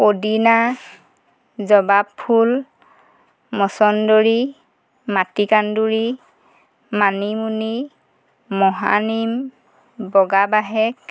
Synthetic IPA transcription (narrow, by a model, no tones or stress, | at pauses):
odina | zɔbapʰːul | mɔsɔndoɹi | matikanduɹi | manimuniː | ɔɦa̰nim | bɔɡabaɦɛk̚